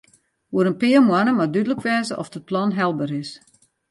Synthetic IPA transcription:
uəɾənpɪːəmwanəmadydələkʰʋɛːzəʔɔfd̥ət̚plɔnɦɛlˠbəɾɪs

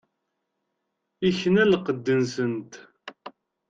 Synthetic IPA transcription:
içnælqəd̪ːənsənt̪

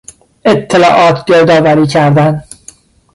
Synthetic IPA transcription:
ʔet̪ʰːelɒ̰ːʔɒːt̪ʰd͡ʒeɾd̪ɒːvæɾiːcʰæɾd̪æn

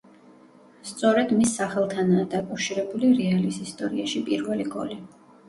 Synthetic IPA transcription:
st̪sʼɔɾɛd̪misːaχɛlˠt̪ʰanaːd̪akʼawʃiɾɛbuliɾɛalisist̪ʼɔɾiaʃipʼiɾvɛliɡɔ̰li

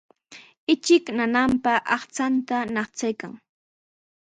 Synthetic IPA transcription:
ɪt͡ʃɪknanampaʔɑχt͡sant̪anɑχt͡sajkaŋ

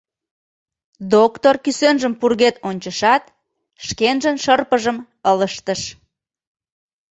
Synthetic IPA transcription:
d̪okt̪orkysønʒəmpurɣet̪onʲt͡ɕəʃɑt̪̚ | ʃkenʒənʃərpəʒəm | ələʃt̪əʃ

